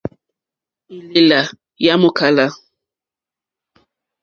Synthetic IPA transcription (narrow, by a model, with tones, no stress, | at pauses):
ɪ˨lɪ˨la˨ | ja˦mʊ˦kʰa˨la˦